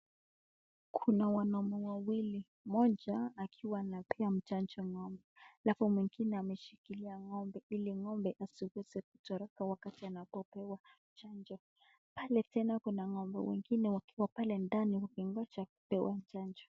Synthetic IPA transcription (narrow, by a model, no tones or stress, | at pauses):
kʰunawanɔmɔwawili | mɔd͡ʒaːkʰiwanapɛam̩t͡ʃand͡ʒɔŋɔmbɛlapɔmwiŋɡinɛamɛʃikiliaŋɔmbɛiliŋɔmbɛʔasiwɛzɛk̚u̥tɔɾɔkawakatianapɔpɛwa | t͡ʃand͡ʒɔ | palɛtɛnakunaŋɔmbɛ̰wɛ̰ŋɡinɛwakiwapalɛndaniwakiŋɡɔt͡ʃaku̥pɛwa̰m̩t͡ʃand͡ʒɔ̥